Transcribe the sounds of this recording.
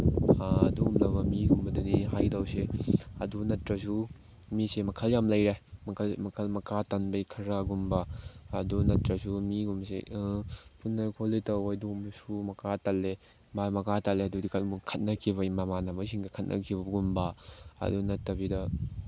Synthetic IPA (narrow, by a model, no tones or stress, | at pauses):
aɐ̰duɡumlɐbɐmiɡumbɐdɐniɦajdɐwseɐ̰dunɐtɾɐsu | misemɐkʰɐljamlɐjɾemɐkʰɐlmɐkʰɐlmɐkatɐnbɐjkʰɐɾaɡumbɐːdunɐtɾɐsumiɡumsḛʔpʰunːɐɾkʰoletɐwɐduɡumsumɐkatalːe | mamɐkatalːeɐdudikʰɐlmukʰɐt̚nɐkʰiβɐimɐmanɐmɐs̬iŋɡɐkʰɐt̚nʔɐ̰kʰibɐɡumbɐɐ̰dunɐtːɐbidɐ